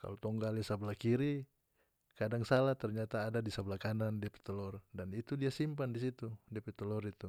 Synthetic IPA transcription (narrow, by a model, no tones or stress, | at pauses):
ka̰lot̪ɔŋɡalisablahkiɾi | kadaŋsalaht̪ɛrɲat̪aːdadisablakanandiapɛ̥t̪ɔlɔrdanit̪udiasimpandisit̪udiapɛt̪ɔlɔrit̪u